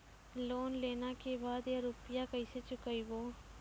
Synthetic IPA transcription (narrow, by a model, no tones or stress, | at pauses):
loːnleːnakebaːd̪jaɾʊpɪjakɐiset͡ʃʊkaiboː